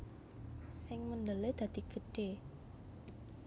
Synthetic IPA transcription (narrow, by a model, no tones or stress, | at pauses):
sɪŋmənd̪əled̪̥ä̤d̪̥iɡ̥ə̤ɖ̥e